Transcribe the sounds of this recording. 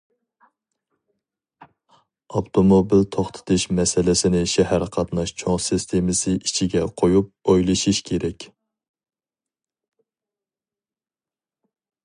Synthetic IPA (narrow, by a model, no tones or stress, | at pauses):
ɑpt̪ʰomobilt̪ʰoχt̪ʰɨ̥t̪ʰɨʃmɛsɪlɪsɪnɪʃɛhæɾqʰɑt̪nɑʃt͡ʃʰoŋsɨst̪ʰemɪsɨʔit͡ʃʰiɡʲɛqʰojup̚ojlˠɨʃiʃkʲʰeɾɛkʲ